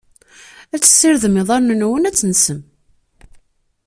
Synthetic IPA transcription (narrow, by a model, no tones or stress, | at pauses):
æt͡sːə̥sːɪɾðəmɪðˤɑɾnənwənæt͡sːənsəm